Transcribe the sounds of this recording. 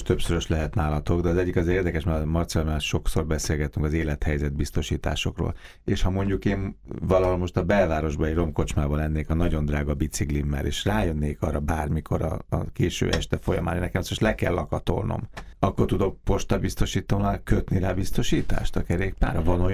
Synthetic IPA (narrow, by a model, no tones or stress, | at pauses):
ʃt̪øpsøɾøʃlɛɦɛt̪naːlɒt̪o̞ɡd̪ɛɒzɛɟːikɒzeːrd̪ɛkɛʃmamɒrt̪silomiaːʃo̞kso̞rbɛseːlɡɛt̪yŋkɒzeːlɛt̪hɛjzɛd̪̚bist̪o̞ʃiːt̪a̰ːʃo̞kro̰ːl | eːʃhɒmo̞ɲɟukeːnvɒlɒɦo̞lmo̞ʃt̪ɒbɛlvaːɾo̞ʒbɒiro̞mko̞t͡ʃmaːbɒlɛnːeːkɒnɒɟo̞nd̪raːɡɒbit̪siklimːɛ̰lʔḛːʃraːjønːeːkɒrːɒbaːrmikʰo̞̰ɾɒ̰keːʃø̰ːʔɛʃt̪ɛfo̞jɒ̰ma̰ːnenːɛkɛmsoʃlɛkɛ̰lːɒkɒt̪o̞̰rno̰mɒkːo̞rt̪ud̪o̞k̚po̞ʃt̪ɒbist̪o̞ʃiːt̪oːnalkøt̪niɾaːbist̪o̞ʃiːt̪a̰ːʃt̪ɒkɛɾeːk̚pa̰ːɾɒvɒnoj